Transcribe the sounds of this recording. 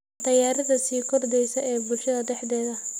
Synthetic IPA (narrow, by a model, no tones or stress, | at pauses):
d̪ɐjaːɾɪðɐsiːkʰɔrd̪ɛjsɐʔɛːbʊlʃɐðɐd̪ɛħd̪ɛːðɐ